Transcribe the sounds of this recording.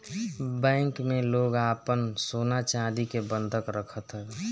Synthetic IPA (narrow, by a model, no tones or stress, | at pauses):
bɛ̃ːŋkmẽloːɡaːpənsoːnat͡ʃãd̪ikebənd̪ʱəkɾəkʰət̪ɦɛː